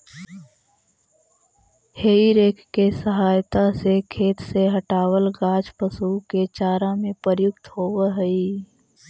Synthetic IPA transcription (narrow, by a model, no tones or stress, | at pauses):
heːiɾeːkʰkesəɦaːjt̪asekʰeːt̪seɦəʈaːwəlɡaːd͡ʒpəsuket͡ʃaːɾamẽpəɾjʊkt̪ɦoːwəɦəi